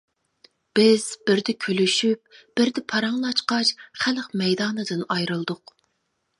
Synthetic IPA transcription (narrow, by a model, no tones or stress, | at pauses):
b̥ɪz̥b̥ɪɾd̪ɪkʲʰølyʃyp̚b̥ɪɾd̪ɪpʰɑɾɑŋlˠɑt͡ʃqɑʃχælqmɛjd̪ɑːnɨd̪ɨnɑjɾɨlˠd̪ʊq